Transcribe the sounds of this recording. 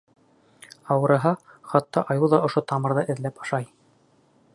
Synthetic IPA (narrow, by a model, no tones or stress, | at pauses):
ɑwɤ̆ɾɤ̆ɦɑχɑt̪ːɑʔɑjuwðɑʔŏʃot̪ɑmɤ̆ɾðɤʔɘ̆ðlæpɑ̥ʃɑj